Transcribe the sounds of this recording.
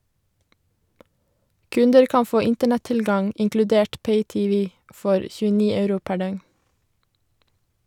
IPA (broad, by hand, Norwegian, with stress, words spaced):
ˈkʉndəɾ ˈkɑn ˈfoː ˈɪntəɳɛˌtɪlɡɑŋ ɪŋklʉˈdeːʈ ˈpeɪˌtiːˌʋiː ˈfɔɾ ˌçʉːəˈniː ˈœʉɾʊ ˈpæ ˈɖœŋn